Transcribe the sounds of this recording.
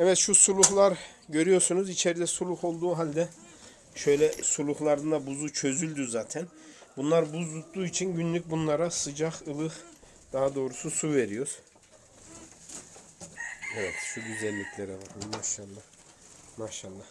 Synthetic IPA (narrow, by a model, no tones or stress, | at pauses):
ɛvɛt̪ʃusulˠuxlˠaɾ | ɟø̞ɾyjo̞ɾsunuzit͡ʃʰeɾid̪ɛsulˠuho̞lˠd̪uːɦalʲd̪ɛ | ʃø̞jlʲɛsulˠuhlˠaɾɯnd̪abuzut͡ʃʰø̞zylʲd̪yzaːt̪ʰæn | bunlˠaɾbuzd̪ut̪d̪uːit͡ʃʰinɟynlʲyc̚ʲbunlˠaɾasɯd͡ʒaxɯlˠɯx | d̪̥aɦad̪o̞ːɾususuve̞ɾijo̞ɾ̥ | evɛt̪ʃuɟyzɛlʲːicʰlʲeɾɛvaɾmiasalˠːa | maːʃalˠːah